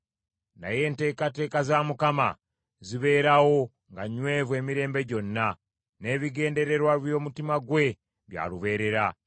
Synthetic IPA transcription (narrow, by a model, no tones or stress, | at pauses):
na̰je̞ːnte̞ːkate̞ːkazamukama̰ | ziβe̞ːɾawo̞ | ŋɡaɲwe̞ːvwe̞ːmiɾe̞ːmbe̞ɟo̞nːa | ne̞ːβiɡe̞ːnde̞ɾe̞ɾwaβjo̞ːmutimaɡwe̞ | βja̰ːluβe̞ːɾe̞ɾa